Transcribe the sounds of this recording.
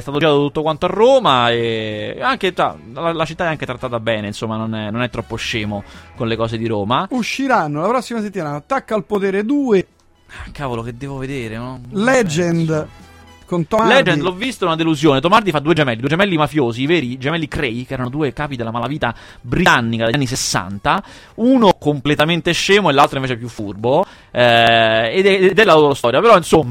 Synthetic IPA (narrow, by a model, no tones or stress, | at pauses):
st̪at̪od͡ʒiat̪ot̪ut̪ːokwant̪oarːoːmaeaŋk̟et͡ʃa̰lalat͡ʃit̪ːaɛaŋk̟et̪ɾat̪ːaːt̪abɛːneinsomːanonɛnonɛt̪ːɾɔpːoʃːeːmokonlekɔːsed̪iɾoːmauʃːiɾanːolapɾɔsːimas̬et̪ːimaːnat̪ːakːaːlpot̪eːɾed̪uːe | akːaːvolok̟ed̪ːɛːvoved̪eːɾenɔlɛd͡ʒɛnd̪ | kont̪ɔlɛd͡ʒɛnlɔvːist̪oɛunad̪eluzjoːnet̪omard̪ifad̪ːuːed͡ʒemɛlːid̪uːed͡ʒemɛlːimafjoːziːvɛːɾid͡ʒemɛlːikɾejkɛːɾanod̪uːekaːpid̪elamalaviːt̪a | bɾianːikad̪anːis̬esːa̰nt̪a | uːnokomplet̪ament̪eʃːeːmoelːalt̪ɾoiɱveːt͡ʃɛp̬ːjufːurbo | ɛed̪ɛd̪ɛlːaloːɾost̪ɔːɾjapeɾɔinsomːa